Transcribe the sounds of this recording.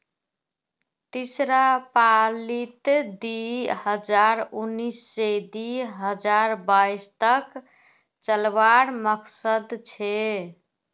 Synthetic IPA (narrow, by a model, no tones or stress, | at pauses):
t̪isɾapalit̪d̪iɦəd͡ʒaɾunːisːed̪iɦəd͡ʒaɾbaist̪ək | t͡ʃəlbaɾməksəd̪t͡ʃʰɛ